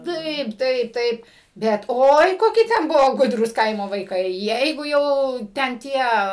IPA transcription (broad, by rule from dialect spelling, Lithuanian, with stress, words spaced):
ˈtɐɪp ˈtɐɪp ˈtɐɪp ˈbʲɛt ˈoːɪ ˈkoːkʲɪ ˈtʲɛn ˈbʊʋoː ˈɡʊdruːs ˈkɐɪmoː ʋɐɪˈkɐɪ ˈjɛɪɡʊ ˈjɛʊ ˈtʲɛn ˈtʲiɛ